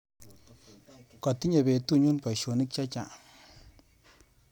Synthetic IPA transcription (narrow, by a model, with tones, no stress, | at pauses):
kɔ˨ti˦ɲe˨be˨tu˦˨ɲu˦npa˨ʃo˨ni˦k̚t͡ʃa˦t͡ʃa˨